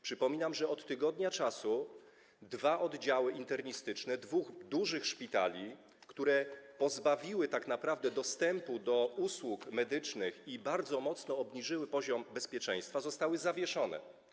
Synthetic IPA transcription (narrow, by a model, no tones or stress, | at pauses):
pʂɘpɔmʲinamʐɛɔt̪ːɘɡɔd̪ɲat͡ʂasu | d̪vaʔɔd̪d͡ʑawɘʔint̪ɛɾɲist̪ɘt͡ʂnɛd̪vuɣd̪uʐɘxʂpʲit̪a̰lʲi | kt̪uɾɛpɔzbavʲiwɘt̪akn̪apɾavd̪ɛd̪ɔst̪ɛmpud̪ɔuswukmɛd̪ɘt͡ʂnɘxibaɾd̪zɔmɔt̪snɔːbɲiʐɘwɘpɔʑɔmbɛspʲjɛt͡ʂɛ̃j̃st̪fazɔst̪awɘzavʲjɛʂɔnɛ̰